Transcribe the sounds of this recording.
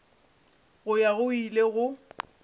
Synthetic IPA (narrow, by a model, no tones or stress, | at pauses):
ɣʊjaɣʊileɣʊ